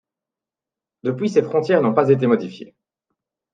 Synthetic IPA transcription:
d̪əpɥisefχɔ̃t̪jɛʁnɔ̃pazet̪̬emɔd̪ifjḛ

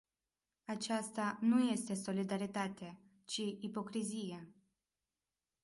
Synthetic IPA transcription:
at͡ʃast̪anuje̞st̪e̞so̞lid̪aɾit̪at̪e | t͡ʃiipo̞kɾizije

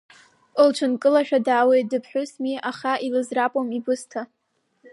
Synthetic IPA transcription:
ɨlt͡ʃʷʰɨnkʼɨlaʃᶣadaːwejtdɨpʰħʷᶣʊsmiʔaχaʔilɨzrapʼomibʊstʰa

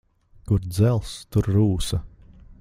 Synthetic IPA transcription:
kuɾd̪zɛlˠst̪uɾɾuːsɐ

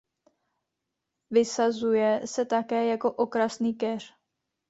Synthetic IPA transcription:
vɪsazujɛsɛt̪akɛːjako̞ʔo̞kɾasniːkɛr̝̥

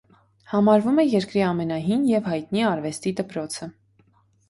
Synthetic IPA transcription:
hɑmɑɾvumɛjɛɾkɾiɑmɛnɑɦinjɛvhɑjt̪niɑɾvɛst̪id̪əpɾɔt͡sʰə

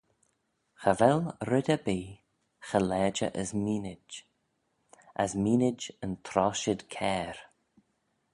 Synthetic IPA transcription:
xəvɛlɾɪdʲəbiː | xəlɛːd͡ʒə̰ʔəzmiːnɪd͡ʒ | əzmiːnɪd͡ʒənt̪ʰɾɔːʃəd̪kʰɛːɾ

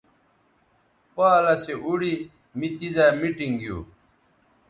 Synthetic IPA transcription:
paːlɐseʔuɽi | mit̪izaːmiʈiŋɡijṵː

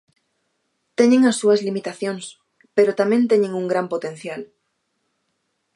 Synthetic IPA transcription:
t̪eɲẽŋasːuazlimit̪aθjoŋs | peɾot̪amẽnt̪eɲẽŋuŋɡɾampot̪ẽn̟θjal

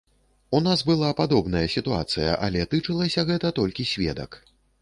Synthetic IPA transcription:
unasbɨlˠapad̪ɔbnɐjɐsʲit̪ua̰t̪sɨjɐ̰ʔɐ̰lʲɛt̪ɨt͡ʂɨlˠɐsʲɐɣɛt̪ɐt̪ɔlʲkʲisʲvʲɛ̰d̪ɐ̰k

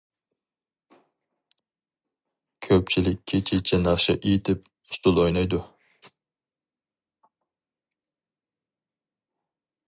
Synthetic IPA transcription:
kʲʰøp̚t͡ʃʰilɪkʲʰːet͡ʃʰit͡ʃʰɛnɑʁʃɪ̰ʔit̪ʰɪp̚ | ʊst̪ʊlˠojnɑjd̪u

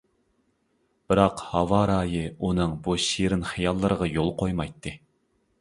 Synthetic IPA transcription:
b̥ɪɾɑqhɑvɑɾɑːjɨunɨŋbuʃiɾɪnχɨjɑlˠːɨɾəʁɑjolˠqʰojmɑjt̪ʰːɨ

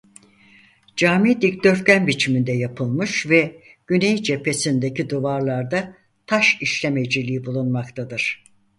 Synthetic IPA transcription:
d͡ʒaːmid̪icd̪øfcʲænbit͡ʃʰimind̪ɛjapʰɯlˠmɯʃvɛ | ɟ̥ynejd͡ʒe̞pʰe̞sind̪e̞cid̪uvaɾlˠaɾd̪a | t̪ʰaʃiʃlʲe̞me̞d͡ʒilʲiːibulˠunmakt̪ʰad̪ɯɾ̥

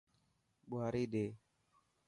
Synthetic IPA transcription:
buɦaɾide

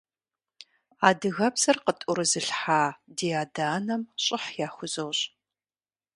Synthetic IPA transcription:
aːdɨɣɐbz̥ɐrqətʼʊɾɨzɨɬħaːdeːaːdaːnɐmɕʼɪħjaːxʷʊzowɕʼ

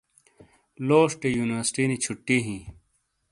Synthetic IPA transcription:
loːʂʈejuːniwəɾsʈiːnit͡ɕʰuʈːiːɦĩː

